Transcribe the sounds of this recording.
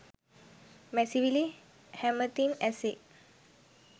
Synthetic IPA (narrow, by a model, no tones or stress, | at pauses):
mɛsivili | hɛ̃mət̪ĩnɛseʔ̚